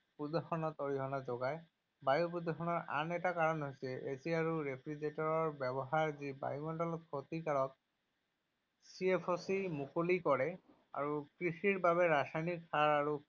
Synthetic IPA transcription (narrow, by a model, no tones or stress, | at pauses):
pud̪ɔxɔnɔtoɹiɦɔnazɔɡaj | bajup̬ud̪ɔxʰɔnɔɹa̰nɛtakaɹɔnɦojsɛʔeziaɹuɹepʰɹizetɔɹɔɹbɛbɔɦaɹziba̰jumɔndɔlɔt̪̚kʰot̪ikaɹɔk̚ | siepʰosimukolikɔɹɛ | a̰ɹukɹixiɹbaβɛɹasajniksaɹaɹu